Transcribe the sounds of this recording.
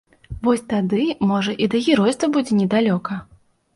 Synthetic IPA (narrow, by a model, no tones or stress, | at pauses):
vɔsʲt̪ad̪ɨmɔʐɐʔid̪ɐɣʲɛɾɔjst̪vɐbud͡zʲɛnʲɛd̪alʲɔkɐ